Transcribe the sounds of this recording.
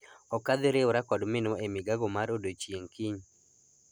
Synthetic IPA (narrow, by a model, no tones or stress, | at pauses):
ɔkad̪ɪɾeoɾakɔdmɪnɔemɪɡaɡɔmaɾodot͡ʃjeŋkiɲ